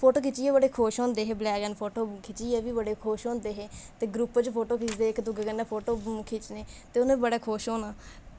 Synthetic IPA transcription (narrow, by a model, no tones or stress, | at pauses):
pʰoːʈoːkʰɪt͡ʃiːɛːbəɽeːkʰoːʃɦõːnd̪eːɦeːblɛːɡənpʰoːʈoːkʰɪt͡ʃiːɛːʋiːbəɽeːkʰoːʃɦõːnd̪eːɦeːt̪eːɡɾupːt͡ʃpʰoːʈoːkɪt͡ʃd̪eːɪkd̪ʊɡkənːɛːpʰoːʈoːkʰɪt͡ʃneːt̪eːʊnẽːibəɽaːkʰoːʃõːnaː